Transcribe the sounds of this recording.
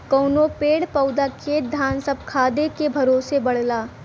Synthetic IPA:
kɔːnopeːɽpəʊd̪akʰeːt̪̚d̪ʱaːnsəb̚kʰaːd̪ekebʱɐɾoːsebɐɽ̤laː

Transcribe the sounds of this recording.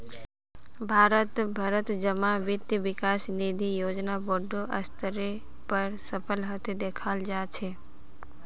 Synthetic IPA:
bʱaːɾət̪bʱəɾət̪d͡ʒəmãʋɪt̪jəʋɪkasnid̪ʱijoːd͡ʒnaboɖoʔə̰st̪ʰəɾe | pəɾsəpʰəlɦət̪ed̪eːkʰald͡ʒat͡ʃʰe

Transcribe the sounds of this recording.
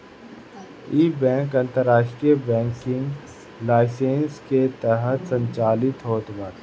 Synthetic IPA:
iːbɛ̃ːŋkɐ̃nt̪əɾːaːʃʈɾijəbɛ̃ːŋkɪŋɡ | laːɪsẽːnsket̪ɛɦət̪sə̃ɲt͡ʃaːlɪt̪ɦoːt̪məɾ

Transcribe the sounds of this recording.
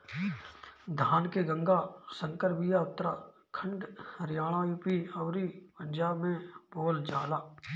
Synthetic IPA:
d̪ʱaːnkeɡə̃ŋɡasə̃ŋkəɾbijaʊt̪ːəɾa | kʰə̃ɳɖɾɪjaːɽ̃aupiɐːɾipə̃nd͡ʒaːbmẽboːld͡ʒaːlaː

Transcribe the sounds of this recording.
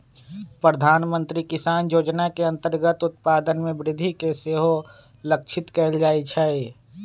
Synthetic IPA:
pɾəd̪ʱaːnmə̃nt̪ɾikɪsaːnjoːd͡ʒnakeɐ̃nt̪əɾɡət̪ʊt̪paːd̪ənmẽbɾɪd̪ʱikeseːɦo | ləkt͡ʃʰɪt̪kɛːld͡ʒaːit͡ʃʰɛ

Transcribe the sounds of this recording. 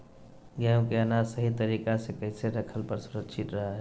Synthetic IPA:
ɡjamkeənasəɦit̪əɾikasekəɪseɾəkʰəlpəɾsuɾəkʃʰit̪ɾəɦ

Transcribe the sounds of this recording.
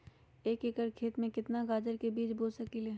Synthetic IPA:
eːkekəɾkʰeːt̪mẽkɪt̪naɡaːd͡ʒəɾkebiːt͡ʃboːlsəkileː

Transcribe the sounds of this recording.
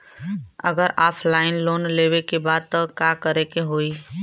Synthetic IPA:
əɡəɾaːpʰlaːɪnloːnlewekebaːd̪̚t̪ɔkakəɾekeɦoːi

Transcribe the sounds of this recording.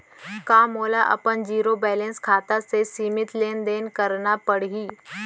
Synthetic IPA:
kãːmoːlaʔə̰pənd͡ʒiːɾobɛːlẽnskʰaːt̪asesiːmɪt̪leːnd̪eːnkəɾnapəɽ̤ɦiː

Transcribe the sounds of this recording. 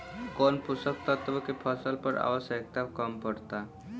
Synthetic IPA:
kɔnpusək̚t̪at̪əbəkipʰəsəlpəɾa̰ʋəsek̚t̪akəmpəɾt̪a

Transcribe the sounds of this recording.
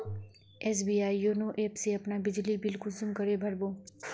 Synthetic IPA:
ɛːs̬biːaːijoːnõːʔeːpseɐpnabɪd͡ʒlibɪlkʊsʊmkɐɾebʱɐɾboː

